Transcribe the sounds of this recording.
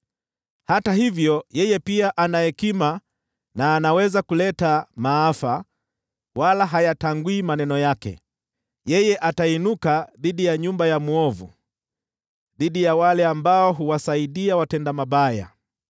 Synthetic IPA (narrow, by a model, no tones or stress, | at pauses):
hataɦivjɔjɛjɛpiaʔanajɛkima | naːnawɛzakulɛtamaːfa | walaɦajataŋɡwiːmanɛnɔjakɛ̰ | jɛjɛʔatainukaðiɗijaɲumbajamuɔvṵ | ðiɗijawalɛambaɔɦuwasaiɗiawatɛndamaɓaja̰